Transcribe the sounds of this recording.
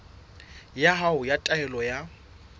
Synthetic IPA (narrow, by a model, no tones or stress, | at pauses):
jaɦaʊjatʼaɛlɔja